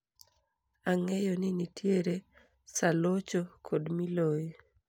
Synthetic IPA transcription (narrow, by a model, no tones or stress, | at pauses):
aŋejonɪnitʰjeɾe | salot͡ʃokʰodmiloj